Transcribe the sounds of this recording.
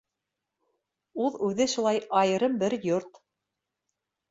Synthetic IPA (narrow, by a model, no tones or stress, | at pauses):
uðʉðɘʃulˠɑjɑjɤ̆ɾɤmbɘɾjoɾt̪